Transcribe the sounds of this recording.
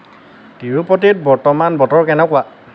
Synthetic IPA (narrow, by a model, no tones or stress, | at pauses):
tiɹupɔtit̚bɔɹtɔmanbɔtɔɹkɛnɛkʊa